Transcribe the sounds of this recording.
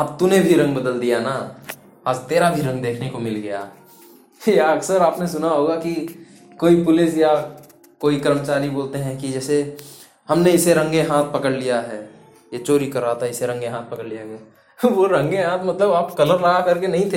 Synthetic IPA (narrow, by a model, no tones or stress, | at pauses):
əb̚t̪unebʱiɾɐ̃ŋɡbəd̪əld̪ijana | aːd͡ʒt̪eːɾabʱiɾɐ̃ŋɡd̪eːkʰnekomɪlɡɐja̰ | jaɐɡsəɾaːpnesʊnaɦoːɡaki | koːipʊlɪsja | koːikəɾmət͡ʃaːɾiboːlt̪eɦɛ̃kid͡ʒɛːse | hɐmneɪseɾɐ̃ŋɡeɦãːt̪̚ʰpɐkəɽlijaɦɛː | jet͡ʃoːɾikɐɾːaːt̪aɦɛɪseɾɐ̃ŋɡeɦãːt̪̚ʰpɐkəɽlijaɡɐja | ʋoɾɐ̃ŋɡeɦãːt̪ʰmɐt̪ləbaːpkɐləɾːaɦakɐɾkenɐɦĩt̪ʰe